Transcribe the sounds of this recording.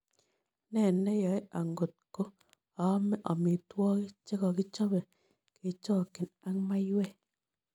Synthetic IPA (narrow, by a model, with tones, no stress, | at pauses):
nɛ˦˨nɛ˦jɔ˨˦e˦a˨ŋɡo˨t̚ko˦ | a˨˦mɛ˦ʔɔ˨mi˨twɔ˦ki˦t͡ʃe˦kɔ˨kɪ˦t͡ʃɔ˦βɛ˨ | ke˨t͡ʃɔː˦˨kɪ˨na˦ŋma˦jwɛ˦˨